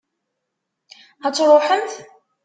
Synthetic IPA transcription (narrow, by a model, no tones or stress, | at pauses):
æt͡sːɾˤoħənt̪